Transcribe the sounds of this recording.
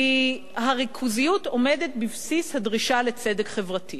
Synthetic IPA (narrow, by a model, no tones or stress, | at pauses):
i | haʁikʰuzijuto̞me̞det̪̚bivsishadʁiʃale̞t͡sedekχevʁati